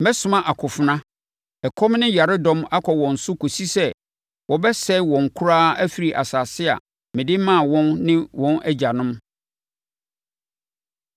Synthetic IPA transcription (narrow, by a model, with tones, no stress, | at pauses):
mɛ˦sʊ̃˨mã˦ʔa˨kʰʊ˨fʊ˨nã˦ | ɛ˨kʰɔ˦mnɪ̃˦ja˨ɾɪ˦dɔ̃˦ma˦kʰɔ˨wɔ̃˨n̩˨sʊ˦kʰo˨si˦sɛ˦ | wʔɔ˨bɛ˦sɛ˦wɔ̃˨ŋ̩˨kʰʊ˦ɾaː˦æ˦fi˨ɾi˨ʔa̰˨saː˨sɪ˦a̰˨ | mɪ̃˨dɪ˦mã˦˨wɔ̃˦nnɪ̃˦wɔ̃˦nʔæ˦d͡ʑa˨nʊ̃˦m